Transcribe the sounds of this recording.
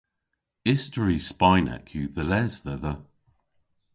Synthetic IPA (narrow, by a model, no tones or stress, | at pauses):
ɪstəɹispaɪnɛ̰kʰjʉðəlɛzðɛðə